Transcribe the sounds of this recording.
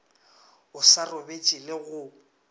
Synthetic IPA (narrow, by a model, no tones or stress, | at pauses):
ʊsarobet͡ʃʼileɣʊ